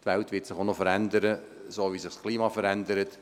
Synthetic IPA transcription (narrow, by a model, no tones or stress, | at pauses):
tʋæltʋɪtsɪχonofəɾændəɾə | soːʋisɪχskʰliːmɑfəɾændəɾət